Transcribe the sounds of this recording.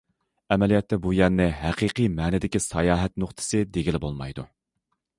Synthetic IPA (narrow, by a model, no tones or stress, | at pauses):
ɛmɛlijɛt̪ːɛbujɛɾnɪɦæqʰiqijmɛːnɪd̪ɪkʲisɑjɑːɦɛt̪noχt̪ʰɨ̥sɨd̪eɡʲilɪbolˠmɑ̰jd̪u